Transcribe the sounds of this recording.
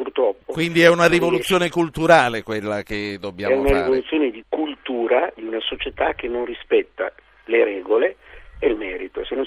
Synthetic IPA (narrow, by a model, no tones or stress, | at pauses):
purt̪ɾɔpːokwind̪iɛunaɾivolut̪sːjoːnekult̪uɾaːlekwelːak̟ed̪ːobːjaːɛunaɾiavolut̪sːjoːned̪ikult̪uːɾad̪iunasot͡ʃet̪ak̟ːenːonrispɛt̪ːa̰ | leɾɛːɡoleelmɛːɾit̪osenːon